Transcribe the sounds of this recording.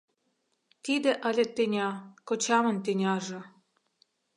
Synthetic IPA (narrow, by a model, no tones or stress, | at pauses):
t̪id̪ĕʔəlʲĕt̪ːenʲɑkot͡ɕɑmɤ̆nt̪enʲɑʒɤ̆